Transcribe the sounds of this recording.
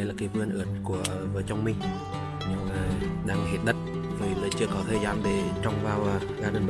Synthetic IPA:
jlaː˨˩ki˨˦p̚ŋɨ˧nʔɨ̰ː˨˩ət̚ku˧˩ə | vəː˨˦jt͡ɕɔ˧wŋ͡mmi˧ŋ | ɲɨ˧aː˨˩ɗaː˨˧˩ŋhḭ˨˩t̚ɗə˦˥t̚ | voː˨˩jla˨˩t͡ɕɨ˧əkɔ˨˦t̪ʰəː˧˩jzaː˨˧˦nɗe˨˧˩t͡ɕɔ˧wŋ͡mvaː˨˩wʔː | ɣaː˧ɗə˨˧˩ɓ

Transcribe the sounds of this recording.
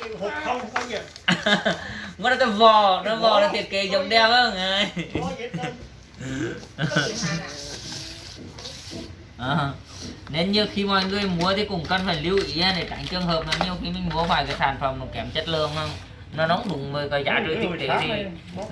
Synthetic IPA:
ŋɔ˧˦na˨˦t̪ɔ˨˦vɔ˧˩nɔ˨˧˦vɔ˧˩laː˨˩t̪ʰi˧˩ət̚ke˨˦zə˨˧˦wŋ͡mɗɛ˧whəː˧˩nʔaː˧˨ | ʔaː˨˩˨ | ne˧nɲɨ˧xi˧mɔ̰˧˨jŋɨ˨˩əʔmu˨˦ət̪ʰi˨˩kʊ˨˩ŋ͡mkə˧˩nfaː˨˩jli˧əwʔi˧˥aː˧ɗe˧˩t͡ɕa̰˧˩˦ŋt͡ɕɨ˧əŋɦəː˨˩p̚nɔ˨˧˦ɲi˧əwxi˧˦mï˨˩ŋ̟mu˧˦əfaː˧˩jka˨˦saː˧˩nfə˨˩mnɔ˨˩kɛ˧˩mt͡ɕə˦˥t̚lɨ̰˧˨əŋə˧ŋ͡m | nɔ˨˧˦nɔ˨˦wŋ͡mɗʊ˨˦ŋ͡mvəː˨˩jkɔ˨˩jza̰ː˧˩t͡ɕɨ˧˨t̪ʰi˧˨˩t̪i˨˩i˧˩

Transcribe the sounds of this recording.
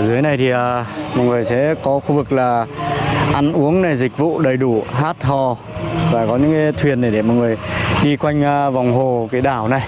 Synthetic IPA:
zɨ˨˦əjna˨˩jt̪ʰi˨˩ʔəː˨˩mɔ˨˩ŋɨ˨˩əjsɛ̰˧˥kɔ˨˦xu˧vɨ˨˩k̚laː˨˩ | ʔa˧ŋʔu˨˦əŋna˨˩jzï˨˩k̟̚vṵ˧˨ɗə˨˩jɗu˧˩ɦaː˦˥t̚hɔ˨˩ | vaː˨˩kɔ˨˦ɲɨ̰˧˥ŋkaː˨˦jt̪ʰwi˨˩ənɗa˧˩ɗe˧˩mɔ˨˩ŋɨ˨˩əjɗi˧kwa˧jŋ̟ː˧va˨˩wŋ͡mɦo˨˩kaː˨˦jɗaː˧˩wna˨˩j

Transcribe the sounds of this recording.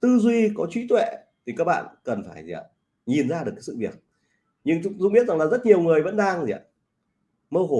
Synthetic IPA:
t̪ɨ˧zwi˧kɔ˨˦t͡ɕwi˧˨˦t̪wḛ˧˨ | t̪ʰi˨˩kaː˦˥k̚ɓa̰ː˧˨nkə˨˩nfaː˧˩jzi˨˩ə̰˧˨˩ | ɲi˨˩nzaː˧ɗɨ˨˩əkːaː˨˦sɨ̰˧˨vi˨˩ək̚ | ɲɨ˧ŋt͡ɕʊ˧ŋ͡mzʊ˧˥ŋ͡mɓi˦˥t̚za˨˩ŋlaː˨˩zə˦˥t̚ɲi˨˩əwŋɨ˨˩əjvə̰˧˥nɗaː˧ŋzḭ˨ə̰˨ | mə˧wɦo˧˩

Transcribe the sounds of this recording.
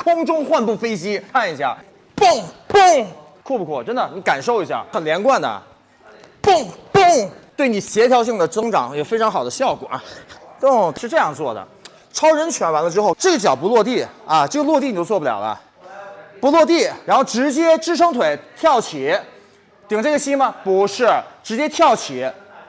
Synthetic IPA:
kʰʊ˥ŋʈ͡ʂʊ˥ŋxwa˥˧npu˥˩fe˥ɪɕi˥kʰa˥˩ni˧˩ɕja̰˥˩ | pʊ˥˩ŋpʊ˥˧ŋ | kʰɔ˥˧pu˧kʰɔ˥˩ʈ͡ʂə˥nd̪ə˨ni˧˥ka˨˩nʂo˥˩ʊi˧˥ɕja̰˥˩xə˨˩nljɛ˧˥nkwa˥˩nd̪ə̰˩ | pʊ˥˩ŋpʊ˥˩ŋt̪we˥˩ɪni˨˩ɕjɛ˧˥t̪ʰjɑ˧˥ʊɕ̬i˥˩ŋd̪ə˩t͡sɤ˥ŋʈ͡ʂɑ̰˧˥ŋjo˨˩ʊfe˥ɪʈ͡ʂʰɑ˧˥ŋxɑ˨˩ʊd̪ə˦ɕjɑ˥˩ʊkwɔ̰˨˩˦kʊ˥˩ŋʂɻ̩˥˧ʈ͡ʂɤ˥˧jɑ˥˧ŋt͡swɔ˥˩d̪ə̰˩ | ʈ͡ʂʰɑ˥ʊɻə˧˥nt͡ɕʰɥɛ˧˥nwa˧˥nlə˧ʈ͡ʂɻ̩˥xo˥˧ʊʈ͡ʂɤ˥˩ɡə˩t͡ɕjɑ˨˩ʊpu˧˥lwɔ˥˧t̪̬i˥˩ɐ˧ʈ͡ʂɤ˥˩ɡə˩lwɔ˥˧t̪i˥˩n˨˩jo˥˧ʊt͡swpu˧˥ljɑ̰˨˩lə̰˧ | pu˧˥lwɔ˥˧t̪i˥˩ɻa˧˥nxo˥˩ʊʈ͡ʂɻ̩˧˥t͡ɕjɛ˥ʈ͡ʂɻ̩˥ʂɤ˥ŋt̪ʰwe˨˧˩ɪt̪ʰjɑ˥˩ʊt͡ɕʰi˨˧˩ | t̪i˨˩ŋʈ͡ʂɤ˥˩ɡə˩ɕi˥mɐ˨pu˧˥ʂɻ̩˥˩ʈ͡ʂɻ̩˧˥t͡ɕjɛ˥t̪ʰjɑ˥˩ʊt͡ɕʰi˨˧˩

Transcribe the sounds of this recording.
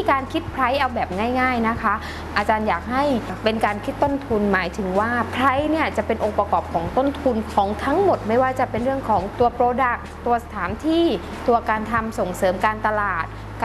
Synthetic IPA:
kaː˧nkʰi˦˥t̪̚pʰɾa˦˥jʔa˧wbɛː˨˩p̚ŋaː˥˩jŋaː˥˩jna˦˥kʰa˦˥ | ʔa˧t͡ɕaː˧njaː˨˩k̚ɦa˥˩jpe˧nkaː˧nkʰi˦˥t̪ːo˥˩nt̪ʰu˧nmaː˩˦jt̪ʰɯ˩˦ŋwaː˥˩pʰɾa˦˥jni˥˩ɐt͡ɕa˨˩pe˧nʔo˧ŋpɾa˧kɔː˨˩p̚kʰɔː˩˦ŋt̪o˥˩nt̪ʰu˧nkʰɔː˩˦ŋt̪ʰa˦˥ŋmo˨˩t̪̚ma˥˩jwaː˥˩t͡ɕa˨˩pe˧nɾɯ˥˩əŋkʰɔː˩˦ŋt̪u˧ɐpɾoː˧da˨˩k̚t̪u˧ɐsḁ˧t̪ʰaː˩˦mt̪ʰiː˥˩ | t̪u˧ɐkaː˧nt̪ʰa˧mso˨˩ŋsɤː˩˦mkaː˧nt̪a˧laː˨˩t̪̚ | k

